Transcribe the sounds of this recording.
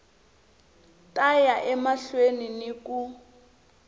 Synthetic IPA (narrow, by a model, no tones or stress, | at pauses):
tʼajaʔɛmaɬweniniku